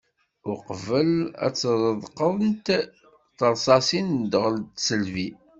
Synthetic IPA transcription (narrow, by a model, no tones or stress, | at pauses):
ʊɾqvəlæ̰t͡sːɾˤəðˤqəðˤənt̪ | θəɾˤsɑsind̪əʁəlt̪səlvi